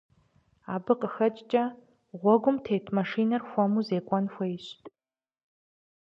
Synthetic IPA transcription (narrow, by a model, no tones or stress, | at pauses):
aːbɨqʼəxɐt͡ʃʼt͡ʃʼɐ | ʁʷɔɡʷʊmtʰeːtʰmaʂiːnɐrxʷɔmuzeːkʷʼɔnxʷɐɪɕtʼ